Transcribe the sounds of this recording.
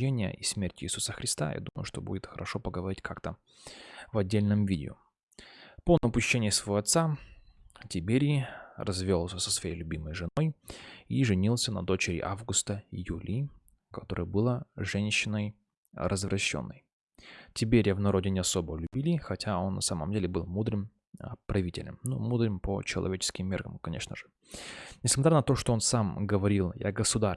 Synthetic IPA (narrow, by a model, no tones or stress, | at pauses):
enʲɪjə̰ʔismʲertʲɪiːsusəxɾʲɪst̪a̰jʔa̰d̪uməjʊʂt̪o̞bṵdʲɪt̪xəɾʔɐʂo̞pəɡəvɐɾʲitʲkʰakt̪ə | vɐdʲːelʲnɨmvʲidʲɪʊ̰ | ponəpʊɕːenʲɪjsvɐvoɐt̪sa | tʲɪpʲeɾʲirɐzvʲolˠsʲəsə̥svɐjejlʲʊbʲiməjʐɨno̞jiʐɨnʲilˠsʲənɐ̰d̪o̞t͡ɕɪɾʲɪ̰ʔavɡʊst̪əjulʲʔi | kɐt̪o̞ɾɨjəbɨlˠaʐɛnʲɕːɪnəj | rəzvrʔɐɕːo̰nːəj | tʲɪp̬ʲeɾʲjavnɐɾo̞dʲɪnʲɪɐso̞bəlʲʊbʲilʲɪxɐtʲʰao̞nːɐsamə̰mdʲelʲɪbɨlˠmud̪rɨm | pɾɐvʲitʲɪ̰lʲə̰mnumud̪rɨmpə̰t͡ɕɪlˠɐ̰vʲet͡ɕɪ̥skʲɪmːʲerɣə̰mkɐnʲe̞ʂnə̰ʐɨ | nʲɪsmɐt̪ɾʲanət̪o̞ʂt̪oo̞nsamɡəvɐɾʲilˠja̰ɡəsʊd̪a